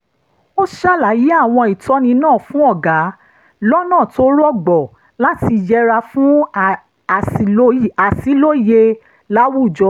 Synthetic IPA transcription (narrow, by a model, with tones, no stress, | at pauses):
o˦ʃa˦˨la˨ji˨˦a˦˨w̃ɔ̃˧i˨tɔ˨˦nĩ˧nãː˦˨fũ˦ɔ˦˨ɡa˨˦ | lɔ˦nãː˦˨to˦ɾɔ˦ɡ͡bɔ˨ | la˦ti˧˨d͡ʒɛ˧ɾa˧fũ˦˨ | o˦a˨si˨˦lo˦i˨je˧ | la˦wu˦˨d͡ʒɔ˧